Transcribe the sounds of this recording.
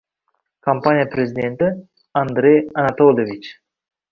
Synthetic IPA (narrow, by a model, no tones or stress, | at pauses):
kampanijapɾezʲid̪ʲent̪ə | and̪ɾejanat̪olʲovit͡ʃ